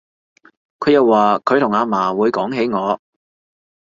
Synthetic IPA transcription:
kʰɵ˨˧ɥjɐ˨˧wːaː˨kʰɵ˨˧ɥt̪ʰʊ˨˩ŋaː˨˧maː˨˩wuː˨˧jkɔː˨˥ŋɦe˨˥jŋɔː˨˧

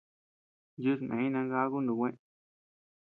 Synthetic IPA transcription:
ju˦s̬mʔḛ̃˨ĩ˦nã˧ɡa˦ɣu˦nd̪ũ˨kʷẽ˦

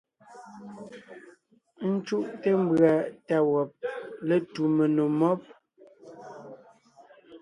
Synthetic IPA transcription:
n̩˦t͡ʃu˦ʔte˦m̩˦bɰa˨ta˨wɔ˨p̚le˦tu˨me˨no˨mɔ˦p̚

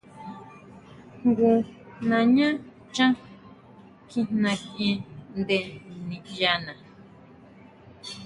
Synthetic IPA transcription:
ŋɡu˧ | nã˨ɲã˦ | t͡ʃã˦ | kĩ˧n̥nã˧kẽ˧nd̪e˧nĩ˨ja˧nã˨

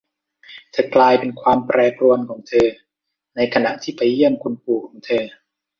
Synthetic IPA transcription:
t̪ʰa˧˩klaː˧jpe˧nkʰwaː˧mpɾɛː˧pɾu˧ənkʰɔː˩˦ŋt̪ʰɤː˧ | na˧jkʰa˧na˧˦˥ʔt̪ʰiː˥˩pa˧jːi˥˩əmkʰu˧npuː˨˩kʰːɔː˩˦ŋt̪ʰɤː˧

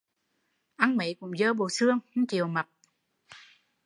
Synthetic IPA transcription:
ʔa˧ŋmə˨˦jkʊ̰˧˥ŋ͡mzəː˧ɓo˨˩sɨ˧əŋht͡ɕi˨˩əwma˨˩p̚

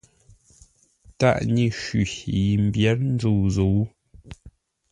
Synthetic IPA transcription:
ta̰˦ʔɲi˨ʃi˨ji˨m̩˨bjɛ˦t̚n̩˦d͡zu˦˨zo˨˦

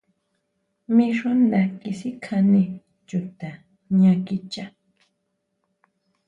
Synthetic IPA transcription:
mi˧ʃo˦na˨kɪ˨si˦kʰani˦ | t͡ʃʊ˨t̪a˨ | ɲa˨kɪ˦t͡ʃa˦

